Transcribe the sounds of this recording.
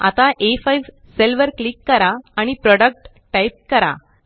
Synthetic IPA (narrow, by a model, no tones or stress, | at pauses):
a̰t̪aʔefajʋ | selʋəɾklikːəɾaːɽ̃ipɾɔɽək̚ʈ | ʈajp̚kəɾa̰